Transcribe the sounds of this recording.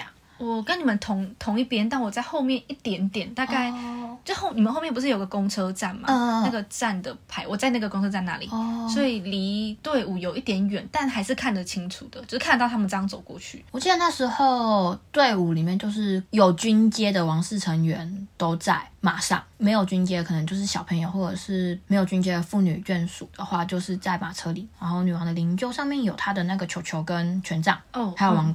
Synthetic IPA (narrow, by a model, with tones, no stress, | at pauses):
wɔ˨˩kə˦ni˨˩mə˦nt̪ʰʊ˧˥ŋt̪ʰʊ˧˥ŋi˥˩pjɛ˥nt̪a˥˩nwɔ˨˩t͡sa˥˧ɪxo˥˧ʊmjɛ˥˧ni˥˩t̪jɛ˨˩nt̪jɛ˨˩nt̪a˥˧ka˥˩ɪt͡ɕjo˥˧˥xo˥˩ʊni˨˩ə˦nxo˥˧mjɛ˥˩pu˧ʂɻ̩˥˩jo˨˩ɡə˩kʊ˥ŋt͡sʰɤ˥ʈ͡ʂa˥˩nma̰˥˧a˥˩ɡə˩t͡sa˥˩nd̪ə˩pʰa˧˥ɪwɔ˨˩t͡sa˥˧ɪna˥˩ɡə˩ko˥ŋʰɤ˥t͡sa˥˩na̰˧˦lḭ˨swɔ˧˥i˨˩li˧˥t̪we˥˩ɪu˨˩jo˨˩ʊʔi˥˩t̪jɛ˧˥nɥɛ˨˩nt̪a˥˩nxa˧ɪʂɻ̩˥˧kʰa˥˩nd̪ə˩t͡ɕʰi˥ŋʈ͡ʂʰṵ˨˩d̪ə˩t͡ɕjo˥˧ʂ̩ʰ˥˩˥t̪̬t̪ʰa˥mə˨nʈ͡ʂŋt͡so˨˩ʊkwɔ̰˥˧t͡ɕʰy̰˥˩wɔ˨˩t͡ɕi˥˩d̪ə˨˩na˥˩ʂɻ̩˧˥xo˥˨˧ʊt̪we˥˩ɪu˨˩li˨˩mjnt͡ɕjo˥˧ʊʂɻ̩˥˩jo˨˩ʊt͡ɕy˥nt͡ɕjɛ˥d̪ə˨wɑ˧˥ŋʂɻ̩˥˩ʈ͡ʂʰə˧˥ŋɥɛ˧˥nt̪o˥ʊt͡sa˥˩ɪma˨˩ʂɑ̰˥˩ŋme˧˥ɪjo˨˩ʊt͡ɕy˥nt͡ɕjɛ˥kʰn˧˦t͡ɕjo˥˧ʊʂ̬ɻ̩˥˩ɕjɑ˨˩ʊpʰə˧˥ŋjo˨˧ʊxwɔ˥˩ʈ͡ʂɤ˨˩ʂɻ̩˥˩me˧˥ɪjʊt͡ɕy˥nt͡ɕjɛ˥d̪ə˨fu˥˩ny̰˨˩t͡ɕɛ˥˩nʂṵ˨˩d̪̥ə˦xwa˥˧t͡ɕjo˥˧ʊʂɻ̩˥˧t͡sa˥˩ɪma˨˩ʈ͡ʂʰɤ˥li˨˩ɻa˧˥nxo˥˩ʊny˨˩wɑ˧˥ŋd̪ə˨li˧˥nt͡ɕjo˥˧ʊʂɑ˥˧ŋmjɛ˥˨˩njo˨˩ʊt̪ʰa˥d̪ə˨na˥˩ɡə˩t͡ɕʰjo˧˥ʊt͡ɕʰjo˧˥ʊkə˦˥nt͡ɕʰɥɛ˧˥nʈ͡ʂɑ̰˥˩ŋ˧a˥jo˨˩ʊwɑ˧˥ŋ